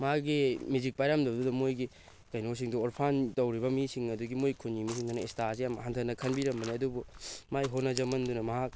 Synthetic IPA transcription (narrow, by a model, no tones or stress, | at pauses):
maɡimizik̚pajɾamdɐwdudɐmojɡi | kajnos̬iŋduoɾpʰantɐwɾibɐmisiŋɐduɡimojkʰunːimis̬iŋdanɐestasejamɦantʰɐnɐkʰɐnbiɾɐmːɐniɐdubumajɦonɐzɐmɐndunɐmɐɦak̚